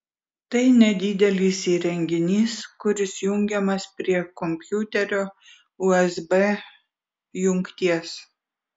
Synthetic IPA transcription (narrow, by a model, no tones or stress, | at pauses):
t̪ɐɪnʲɛd̪ʲɪd̪ʲɛlʲiːsiːɾʲɛŋʲɡʲɪnʲiːskʊɾʲɪsjʊŋʲɡʲɛmɐspʲɾʲiɛkɔmʲpʲjut̪ʲɛɾʲoː | ʊɛzbe | jʊŋʲkt̪ʲiɛs